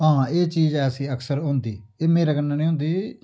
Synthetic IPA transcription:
ɦãːeːt͡ʃiːzɛːsĩːəksəɾɦõːnd̪iːeːmeːɾaːkənːaːnĩːɦʊ̃ːnd̪iː

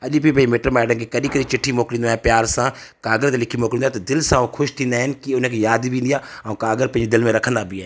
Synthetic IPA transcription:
ɐʄibibəimeːʈəɾmɛːɖənkekəɗiːkəɗit͡ʃɪʈʰːimoːklĩnd̪ɛ̃pjaːɾsãːkaːɡəɾt̪elɪkʰimoːklĩnːaːt̪d̪ɪlsãːõkʰʊʃt̪ʰiːnd̪aːɦɪnkiʊnə̃kʰejaːd̪ʋĩːnd̪ijaːəũːkaːɡəɾpɐ̃d͡ʒed̪ɪlmẽɾɐkʰə̃nd̪aːbʱiɛ

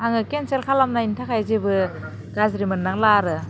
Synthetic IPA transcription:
aŋɯkenselkʰalamnaintʰakʰajzibɯ | ɡazɾimɯnːaŋlaɾɯ

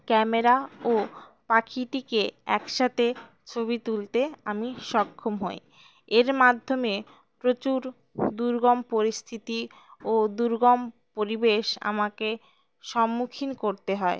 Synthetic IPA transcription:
kɛmeɾaopakʰiʈikeɛ̰kʃat̪ʰe | t͡ɕʰobit̪ult̪eamiʃɔkʰːomɦɔj | eɾmad̪ʱːome | pɾot͡ɕuɾ | d̪uɾɡɔmpoɾist̪ʰit̪i | od̪uɾɡɔm | poɾibeʃa̰make | ʃɔmːukʰinkoɾt̪eɦɔe

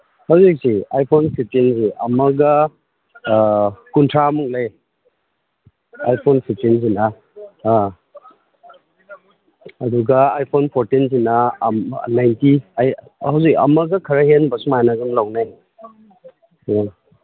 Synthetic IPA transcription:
hawzik̚siajpʰonpʰip̚tinsiʔɐmɐɡɐ | kuntʰɾamuk̚lej | ajpʰonpʰip̚tins̬ina | duɡɐajpʰonpʰoɾtins̬inɐ | najntiaj | hawzikɐ̰mɐɡɐkʰɐɾɐɦenbɐsumajnaɡumlawnajni

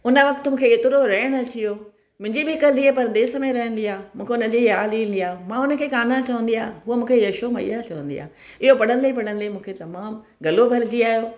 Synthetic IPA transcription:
ʊnə̆ʋɐkt̪mũːkʰeeːt̪ɪɾoɾɐɦəɽ̃ə̆t͡ɕʰijoː | mʊ̃ɦɪ̃ɲd͡ʑibɪɪkəliepɐɾəd̪eːsmẽɾɐɦə̃nd̪iaːmũːkʰeʊnəd͡ʑijaːliːə̃nd̪ijaːmãːʊnə̆kʰeːkaːnat͡ɕɐʋə̃n̆d̪ijaːɦuəmũːkʰejɐʃomaḭjat͡ɕɐʋə̃nd̪ija̰ː | ɪɦopɐɽə̃nlep̬ɐɽə̃nlemũːkʰet̪ɐmaːm | ɡɐlobʱɐɾd͡ʑiaːjoː

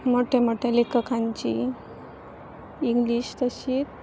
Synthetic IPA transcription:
moʈʰemoʈʰelekəkʰaɲt͡ɕḭ | iŋɡliɕt̪əɕiːt̪

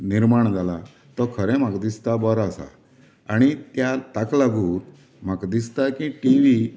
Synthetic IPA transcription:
niɾmaɳd͡zala | t̪ɔkʰəɾɛ̃makd̪ist̪abəɾasa̰ | aɽ̃it̪jat̪aklaɡuːt̪ | m̤akd̪ist̪akĩʈiʋi

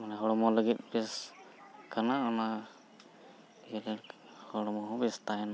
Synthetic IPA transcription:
manɛɦɔɽɔmɔləɡit̪̚bɛs | kanaɔna | iɾɛ | hɔɽɔmɔɦbist̪aɛn

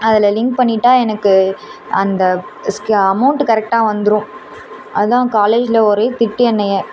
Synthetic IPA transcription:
ɐðɪlɐlɪŋk̚pɐɳːɪʈːaːɛnɐkːɯɐnd̪ɐskɐmɐʊɳʈkɐɾɛk̚ʈaːʋɐnd̪ɯɾʊ̃ | ɐðãːkaːleːd͡ʒɪlɐɔɾet̪ɪʈːɪɛnːɐjɐ

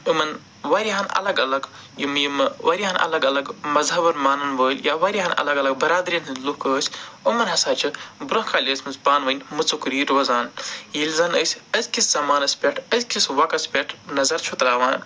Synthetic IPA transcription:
umɐn | wɐɾʲiɦaːnɐ̰lɐɡɐlɐɡ | jimjimʋɐɾʲiɦaːnʔɐ̰lɐɡɐlɐɡmɐzɦɐbɐɾmaːnɐnʋəːlʲjaːʋɐɾʲiɦaːnɐ̰lɐɡɐlɐɡ̚bɐɾaːd̪ɾʲinʰɨnlukəːsʲumɐnɦɐsaːt͡ʃʰibɾɐɦkʰaːlʲəsʲmɨsbaːnʋɐnʲmɨt͡sukɾiːɾʋɐzaːnjilʲzaːnəːsʲɐzʲkʰisz̥ɐmaːnɐspʲeʈʰɐzkʲʰisʋɐkɐsʲpʲeʈʰnɐzɐɾt͡ʃʰut̪laːʋaːn

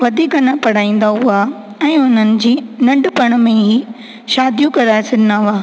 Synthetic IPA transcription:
ʋɐd̪ʱiːkɐnapɐɽ̤aːĩːn̆d̪aɦʊa | ɛ̃ːʊn̤ənɪ̆d͡ʑiːnɐ̃ɳɖpɐɽ̃̆mẽɦi | ʃaːd̪ʱijũkɐɾaːesɪnnaːʊaː

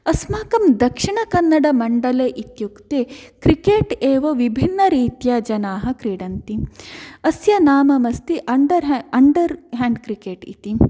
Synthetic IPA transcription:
ɐsmaːkɐmd̪ɐkʂiɳɐkɐnːɐɽɐmɐɳɖɐleːʔit̪jukt̪eːkɾikeːʈeːʋɐʋibʱinːɐɾiːt̪jad͡ʒɐnaːɦɐkɾiːɽɐnt̪iɐsjɐnaːmɐmɐst̪iʔɐɳɖɐɾɦɐɳɖɐɾɦaːɳɖkɾikeːʈḭt̪i

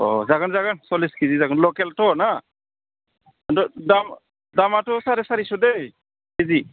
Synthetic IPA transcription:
ɔ̰zaɡanzaɡansɔliskizizaɡanlɔkɛltɔna | dɔdam | damatɔsaɾɛsaɾisɔde | kizi

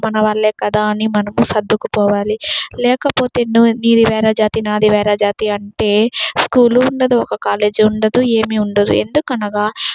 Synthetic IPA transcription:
mɐnɐʋɐɭːeːkɐd̪aːɐnimɐnɐmusɐd̪ʱːukupɔːʋaːlilɛːkɐpo̞ːt̪eːnuniːɾiʋɛːɾɐd͡ʒaːt̪inaːd̪iʋɛːɾad͡ʒaːt̪iɐɳʈe̞ːskuːluːɳɖɐd̪uɔkɐkaːle̞ːd͡ʒuɳɖɐd̪ue̞ːmiuɳɖɐd̪ṵe̞nd̪ukɐnɐɡaː

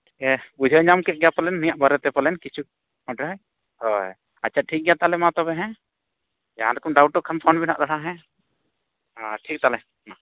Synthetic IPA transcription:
ɛbud͡ʒʱɔɲamkɛʔ̚ɡɛjapəlɛnːijaʔbaɾɛt̪ɛpəlɛnkit͡ʃʰu | ɔ̃ʈɾəj | hɔj | at͡ʃʰaʈʰik̚ɡɛjat̪alɛmãt̪ɔbɛɦɛ̃ | jaãɾɛkɔmɖawʈɔʔkʰampʰɔnbina̰ʔɾaɽaɦɛ̃ | aʈʰik̚t̪alɛ | ma

